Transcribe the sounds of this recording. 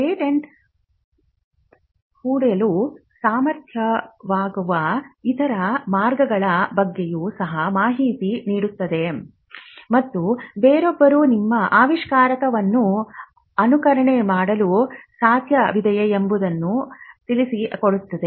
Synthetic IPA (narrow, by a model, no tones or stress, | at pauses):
eːʈeɳʈ | kuːɽelusaːmɐɾt̪ʰjɐʋaːɡuʋɐit̪ʰɐɾɐmaːɾɡɐɡɐɭɐbɐɡːejusɐɦɐmaːɦiːt̪iniːɽut̪ːɐd̪e̞ | mɐt̪ːubeːɾobːɐɾuːnimːɐʔaːʋiʂkaːɾɐkɐʋɐnːu | ɐnukɐɾɐɳemaːɽɐlusaːt̪ʰjɐʋid̪ʱɐjɐembud̪ɐnːut̪ilisikoɽut̪ːɐd̪e̞